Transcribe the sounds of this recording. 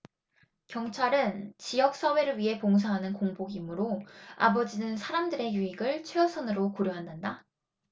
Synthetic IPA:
kjʌŋt͡ɕʰaɾɯnt͡ɕijʌk̚s͈ʌwe̞ɾɯɭɥiɦe̞poŋs̬ʰaɦanɯnkoŋboɡimɯɾoa̰bʌd͡ʑinɯnsʰaɾamdɯɾe̞juiɡɯɭt͡ɕʰweʌsʰʌnɯɾokoɾjoɦandanda

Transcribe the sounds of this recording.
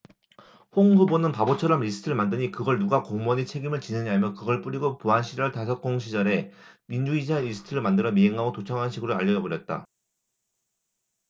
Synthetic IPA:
ɸoŋhubonɯnpabot͡ɕʰʌɾʌmɾisʰɯ̥tʰɯɭmandɯɲikɯɡʌɭnuɡakoŋmʌɲit͡ɕʰe̞ɡimɯɭt͡ɕinɯɲamjʌkɯɡʌɭp͈uɾiɡopoɦanɕʰid͡ʑʌɯɭtasʰʌk͈oŋɕʰid͡ʑʌɾe̞mind͡ʑuid͡ʑʰaeɾisʰɯ̥tʰɯɾɯɭmandɯɾʌmiɦeŋːaɡotot͡ɕʰʌŋɦanɕʰiɡɯɾoaʎːʌd͡ʑʌbʌɾjʌt̚t͈a̰

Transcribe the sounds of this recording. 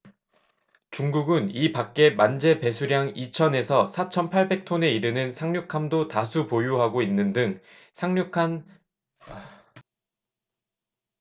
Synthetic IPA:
t͡ɕuŋɡuɡɯnipak͈e̞mand͡ʑe̞pe̞sʰuɾjaŋit͡ɕʰʌne̞sʰʌsʰat͡ɕʰʌnpʰaɭbe̞k̚tʰone̞iɾɯnɯnsʰaŋɲukʰamdotasʰupojuɦaɡoinːɯndɯŋ | sʰaŋɲukʰan

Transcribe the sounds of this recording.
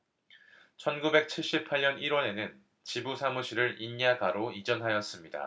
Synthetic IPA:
t͡ɕʰʌnɡube̞k̚t͡ɕʰiɭɕ͈ip̚ʰaɭɲʌniɾwʌne̞nɯn | t͡ɕibusʰamuɕʰiɾɯɾiɲːaɡaɾoid͡ʑʌnɦajʌs͈ɯmɲida̰

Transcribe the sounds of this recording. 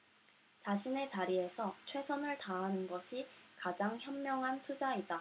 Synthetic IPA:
t͡ɕaɕʰine̞t͡ɕaɾie̞sʰʌt͡ɕʰwe̞sʰʌnɯɭtaɦːnɯnɡʌɕʰikad͡ʑaŋçjʌmːjʌŋɦantʰud͡ʑaida

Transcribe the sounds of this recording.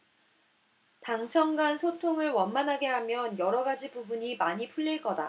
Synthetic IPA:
taŋt͡ɕʰʌŋɡansʰotʰoŋɯɭwʌnmanɦaɡe̞ɦamjʌnjʌɾʌɡad͡ʑibubuɲimaɲipʰuʎːiɭk͈ʌda̰

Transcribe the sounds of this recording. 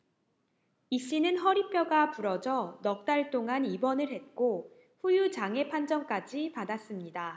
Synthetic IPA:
iɕ͈inɯnɦʌɾipʰjʌɡapuɾʌd͡ʑʌnʌk̚t͈aɭt͈oŋanibʌnɯɭhe̞t̚k͈o | ɸujut͡ɕaŋe̞pʰand͡ʑʌŋk͈ad͡ʑipadas͈ɯmɲida

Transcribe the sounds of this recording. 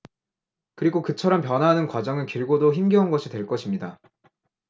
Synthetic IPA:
kɯɾiɡokɯt͡ɕʰʌɾʌmpjʌnɦanɯnkwad͡ʑʌŋɯnkiɭɡodoçimɡjʌunɡʌɕʰidwe̞ɭk͈ʌɕʰimɲida

